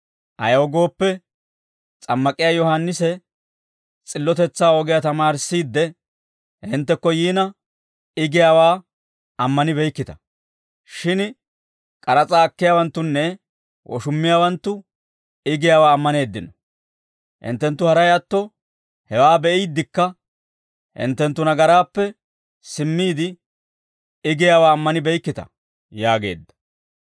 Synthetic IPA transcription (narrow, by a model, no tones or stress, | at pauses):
ʔɐ̰jɔɡo̞ːpːɛ | t͡sʼɐmːɐkʼːɪjaːjɔhanːɪsɛ | t͡sʼɪlːɔt̪ɛt͡sːaːɔɡɛjaːt̪ɐmaːɾsːiːd̪ːɛ | ɪnt̪ːɛkːɔjiːnɐ | ɪɡɪjaːwaː | ɐmːɐnɪbɛjkːɪt̪ɐ̥ | ʃɪn | kʼɐɾɐt͡sʼaːɐkːɪjaːwɐnt̪ːʊnːɛ | wʔɔ̰ʃʊmːɪjaːwɐnt̪ːʊ | ɪɡɪjaːwaːmːɐne̞ːd̪ːɪnɔ | ʔɪ̰nt̪ːɛnt̪ːʊhɐɾɐjɐt̪ːɔ | hɛwaːbɛʔɪjd̪ːɪkːɐ | ʔɪ̰nt̪ːɛnt̪ːʊnɐɡɐɾaːpːɛ | sɪmːiːd̪ɪ | ɪɡɪjaːwaːmːɐnɪbɛjkːɪt̪ɐ̰ | jaːɡe̞̰ːd̪ːɐ̥